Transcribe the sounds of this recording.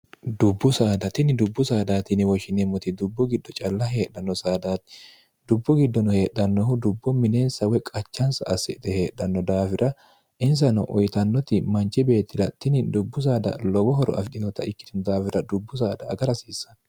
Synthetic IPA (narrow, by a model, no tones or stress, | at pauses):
d̪ʊbːʊsaːd̪ɐt̪ɪnɪd̪ʊbːʊsaːd̪aːt̪ɪnɪwɔʃɪnɛmɔt̪ɪd̪ʊbːʊɡɪd̪ːɔt͡ʃʼɐlːɐɦe̞ːᶑɐnːɔsaːd̪aːt̪ɪ̥ | d̪ʊbːʊɡɪd̪ːɔnɔhe̞ːɗːɐnːɔhʊd̪ʊbːɔmɪneːnsɐwɛkʼɐt͡ʃːɐnsɐɐsɪd̪ɛhe̞ːᶑːɐnːɔd̪aːfɪɾɐ | ʔɪns̬ɐnɔ̰ʔɔjt̪ɐnːɔt̪ɪmɐnt͡ʃːɪbe̞ːt̪ːɪd̪ɐt̪ɪnɪd̪ʊbːʊs̬aːd̪ɐ̰lɔbɔɦɔɾɔ̰ɐ̰fɪᶑ̪ɪnɔt̪ɐ̰ɪkːɪ̥t̪ɪnd̪aːfɪɾɐd̪ʊbːʊs̬aːd̪ɐːɡɐɾɐsiːsːɐ̥n